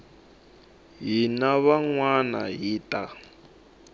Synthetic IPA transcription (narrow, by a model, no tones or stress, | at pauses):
ɦinaβaŋwanaɦiːtʼa